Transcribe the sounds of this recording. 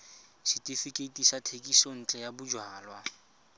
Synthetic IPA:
ʃitʼifikʼetʼisatʰekʼison̩t͡ɬʼɛjabʊd͡ʒwaːlwa

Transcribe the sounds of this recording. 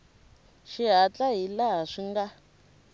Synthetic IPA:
ʃiɦat͡ɬʼaɦilaɦaʂiŋɡa

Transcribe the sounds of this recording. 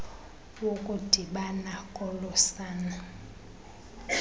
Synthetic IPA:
wokʼud̥ʱiɓanakʼɔlɔsaːna

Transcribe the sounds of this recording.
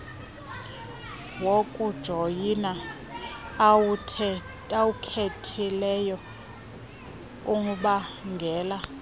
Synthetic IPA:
wokʼud̥ʒ̥ʱojina | awukʰetʰilɛjɔ | uŋuɓaŋɡʱɛːla

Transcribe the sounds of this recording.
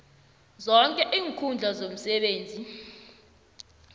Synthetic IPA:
zɔŋkʼɛʔiːŋkʰund͡ɮʱazom̩sɛɓeːnd͡zʱi

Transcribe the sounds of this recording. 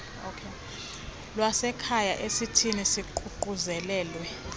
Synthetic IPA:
okʰe | lwasɛkʰajaʔesitʰinisiǃʰuǃuzɛlɛːlwɛ

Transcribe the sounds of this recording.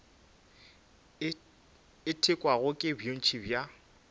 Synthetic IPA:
ɪtʰɪkʼwaɣʊkʼɪbjon̩t͡ʃʰibja

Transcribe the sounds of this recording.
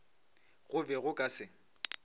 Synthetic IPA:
ɣʊbɛɣʊkʼasɪŋ̩

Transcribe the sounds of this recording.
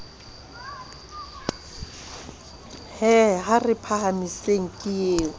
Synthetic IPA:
hɛɦarɪpʰahamiseŋ̩kʼɪjeːŋ̩

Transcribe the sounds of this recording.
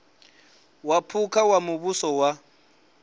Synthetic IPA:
wapʰukʰawamʊβusɔwa

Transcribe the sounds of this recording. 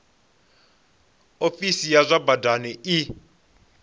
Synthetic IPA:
ofisijazabadanɛɪ

